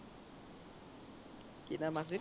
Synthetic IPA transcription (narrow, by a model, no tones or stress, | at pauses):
kinamas̬i